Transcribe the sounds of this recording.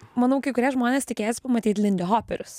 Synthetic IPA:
mɐnɐʊkɐɪkʊɾʲiɛʒmoːnʲeːst̪ʲɪkʲeːjsʲɪpɐmɐt̪ʲiːt̪ʲlʲɪnd̪ʲɛɦoːpʲɛɾʲʊs

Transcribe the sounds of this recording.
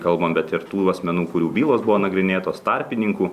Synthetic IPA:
kɐlˠbɐmbʲɛt̪ɪɾt̪uːɐsʲmʲɛnuːkʊɾʲuːbʲiːlˠoːsbʊʋoːnɐɡɾʲɪnʲeːt̪oːst̪ɑɾʲpʲɪnʲɪŋkuː

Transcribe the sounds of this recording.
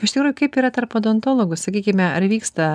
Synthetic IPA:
ɪʃt̪ʲɪkɾuːjʊkɐɪpiːɾɐt̪ɐɾpod̪oːnt̪oːlˠoːɡʊssɐkʲiːkʲɪmʲɛɐɾʋʲiːkst̪ɐ

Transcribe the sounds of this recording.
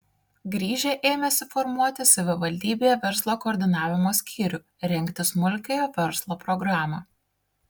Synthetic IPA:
ɡɾʲiːʒʲeːʔeːmʲɛsʲɪfɔɾmuɔt̪ʲɪsɐʋʲɪʋɐlʲd̪ʲiːbʲejɛʋʲɛɾslˠoːkoːɾʲd̪ʲɪnɑːʋʲɪmoːsʲkʲʰiːɾʲʊ | ɾʲɛŋʲkʲt̪ʲɪsmʊlʲkʲejoːʋʲɛɾslˠoːpɾɔɡɾɑːmɑː

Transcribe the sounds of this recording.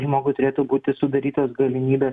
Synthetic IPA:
ʒmoːɡʊt̪ʊɾʲeːt̪ʊbuːt̪ʲɪsʊd̪ɐɾʲiːt̪oːsɡɐlʲɪmʲiːbʲeːs

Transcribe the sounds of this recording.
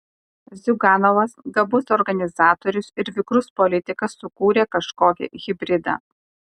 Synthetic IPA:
zʲʊɡɑːnɔʋɐsɡɐbʊsɔɾɡɐnʲɪzɑːt̪oɔɾʲʊsɪɾʋʲɪkɾʊspɔlʲɪt̪ʲɪkɐsːʊkuːɾʲeːkɐʃkoːkʲɪ̰ɣʲɪbʲɾʲɪd̪ɑ̰ː

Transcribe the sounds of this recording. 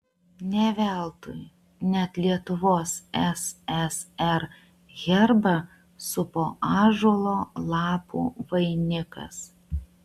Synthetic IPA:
nʲɛʋʲæˑlˠt̪ʊj | nʲɛt̪lʲiɛt̪ʊʋoːsɛsɛsɛɾ | ɣʲɛɾbɐ | sʊpoːʔɑːʒuɔlˠoːlˠɑːpṵːʋɐɪnʲɪkɐ̰s

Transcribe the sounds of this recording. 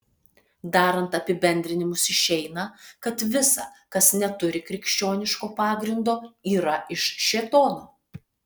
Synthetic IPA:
d̪ɑːɾɐnt̪ɐpʲɪbʲɛnʲd̪ʲɾʲɪnʲɪmʊsɪʃʲɛɪnɐkɐt̪ʋʲɪsɐ̰kɐsnʲɛt̪ʊɾʲɪkɾʲɪkʃʲt͡ʃʲoːnʲɪʃkoːpɑːɡɾʲɪnd̪oːiːɾɐɪʃʃʲeːt̪oːnoː

